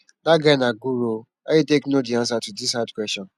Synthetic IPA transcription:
daɡanaɡuɾo | ajiteknodiãnsatudishadkwɛstɔ̃n

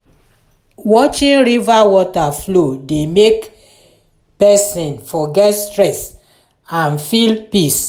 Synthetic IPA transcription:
wɔt͡ʃĩnɹivawɔtaflodemek | pɛsĩnfɔɡɛtstɹɛs | ãnfilpis

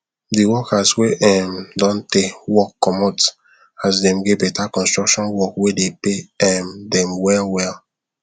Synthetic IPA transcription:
diwɔkasweʔɛmdɔ̃ntewɔkːɔmɔt | asdɛ̃mɡebɛtakɔ̃nstɹɔkʃɔ̃nwɔkwedepeɛmdɛ̃mwɛlwɛl

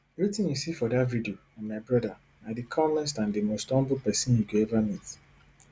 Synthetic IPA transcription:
ɛvɹitĩnjusifɔdatvidioãnmaɪbɹɔda | adikʰɔ̃mlɛstãndimostɔ̃mbulpɛsĩnjuɡoɛvamit

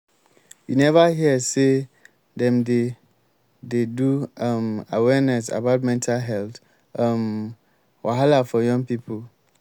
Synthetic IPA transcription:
jinɛvaɦiɛse | dɛ̃mde | deduãmawɛnɛs̬a̰batmɛ̃ntʰalɦɛlt | ãm | wʔaɦalafɔjɔ̃ŋpipʰol

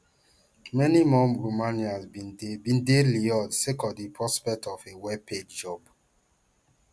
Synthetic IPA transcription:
mɛnimɔmɹomanjazbĩndebĩndeliɔdsekɔdipʰɹɔspɛk̚tɔfewɛpedd͡ʒɔb

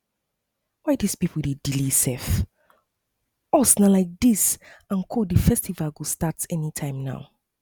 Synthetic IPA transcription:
waɪdispipʰl̩dedilisɛf | ɔsnalaɪk̚d̥isãnkʰodifɛstivalɡostatɛnitʰãɪ̃mna̰ʊ

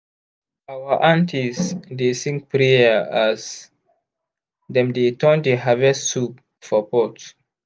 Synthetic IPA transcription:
awaʔãntʰisdesĩŋk̚pɹeaas | dɛ̃mdetʰɔ̃ndəɦavɛstsup | fɔpɔt

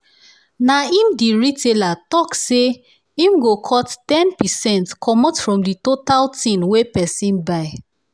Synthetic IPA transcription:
naĩmdiɹitʰelatɔkse | ĩmɡokʰɔttɛ̃npisɛ̃ntkʰɔmɔtfɹɔ̃mditotaltʰĩnwepɛsĩnbaɪ

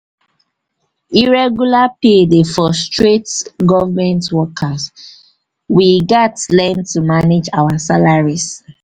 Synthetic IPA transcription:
iɹɛɡjulapedefɔstɹetɡɔvamɛ̃ntwɔkʰas | wiɡatlɛ̃ntumaned͡ʒawasalaɹis

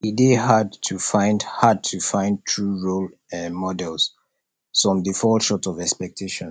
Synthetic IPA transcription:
ideɦadtʰufãɪ̃ndhad̚tʰufãɪ̃nd̚tʰɹuɹolɛ̃nmɔdɛls | fɹɔ̃mdifɔʃɔtɔvɛkspɛk̚tʰeʃɔ̃n

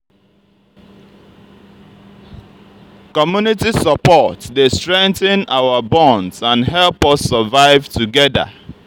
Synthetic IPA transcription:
kɔmjunitisəpɔtdestɹɛ̃ŋθə̃nawəbɔ̃ndsãnɦɛlˠpɔsːəvaɪvtuɡɛdə̰

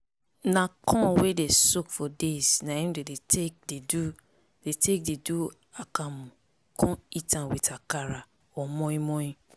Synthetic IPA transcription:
nãkʰɔ̃wedesokfɔdesnãĩmdedetʰek̚dedu | detʰek̚dedu | akamũ | kʰɔ̃itãwitʰakaɾa | ɔmɔ̃ĩmɔ̃ĩ

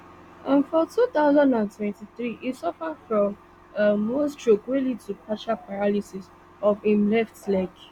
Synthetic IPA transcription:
ʔãnfɔtuθaʊzãndãntʰwɛ̃ntiθɹiʔisɔfadfɹɔ̃m | əːostɹokwilitʰupʰaʃapʰaɹalisis | ɔfĩmlɛftlak

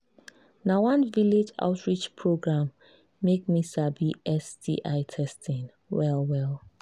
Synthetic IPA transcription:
nawʌ̃nviled͡ʒa̰ʊtʰɹit͡ʃpʰɹoɡɹãmː | ek̚misabiɛsdḭʔaɪtʰɛstĩn | wɛlˠwɛlˠ

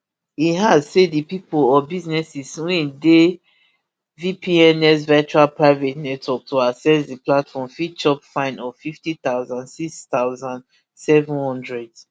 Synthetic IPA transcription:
iɦazsedipipolɔbiznɛsiswɛ̃nde | vipʰiɛnɛs̬vɛt͡ʃualpɹaɪvɛtnɛtʰwɔk̚toasɛsdiplatfɔ̃mfit͡ʃɔpfãɪ̃nɔfiftit̪aʊzãndsikst̪aʊzãn | sɛvũnhɔ̃ndɹɛds

